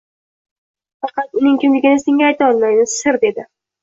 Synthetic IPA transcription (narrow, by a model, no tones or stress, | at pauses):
fɑqɑt̪ʊnɪŋkʰʲɪmlɪɡʲɪnɪsɪŋʲaːjt̪ɒlˠmajnɪsɪɾd̪e̞d̪ɪ